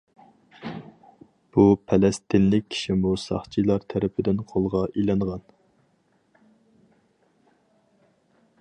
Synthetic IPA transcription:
b̥upʰɛlɛst̪ɪnlɪk̚ʲʰːi̥ʃimusɑ̰χt͡ʃʰilˠɑɾt̪ʰæɾɪpʰɪd̪ɪnqʰolˠʁɑʔilɑɴʁɑn

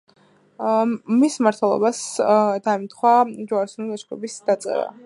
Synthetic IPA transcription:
mismaɾt̪ʰwɛlˠɔ̰basd̪aɛmt̪ʰχwad͡ʒuaɾsunid̪aʃkɾɔbisd̪̥at̪sʼɛ̰ɾa̰

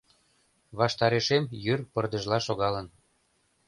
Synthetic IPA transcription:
βɑʃt̪ɑɾeʃemjyrpərd̪ə̆ʒlɑʃoɣɑlən

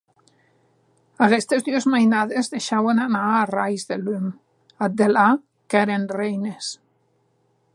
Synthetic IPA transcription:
aɣest̪ezðyozmajnaðezðeʃawenanarajzðelym | ad̪ela | keɾenrejnes

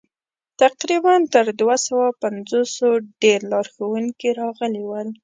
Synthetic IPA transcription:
t̪aqɾibant̪əɾd̪wasawapanzosoɖeɾlɑɾxawuŋkiɾɑɣəlewəl

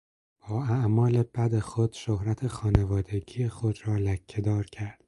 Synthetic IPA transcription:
b̥ɒːæʔmɒːle̞b̥æd̪e̞xod̪̥ʃohɾæt̪ʰe̞xɒːnevɒːd̪e̞ɡiːjexod̪ɾɒːlæcʰːed̪ɒːɾcʰæɾd̪̥

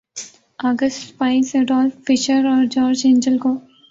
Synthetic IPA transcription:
aːɡəsʈpaːɪseɖɔːlffɪʃəɾɔːɾd͡ʒɔːɾd͡ʒẽːɲd͡ʒəlkoː

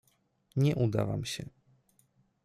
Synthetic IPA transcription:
ɲɛʔud̪avamɕɛ

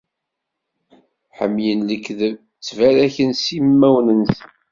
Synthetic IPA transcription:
ħə̰mːjənləkːðə | t͡sːvæɾæçənsimːæwnəns

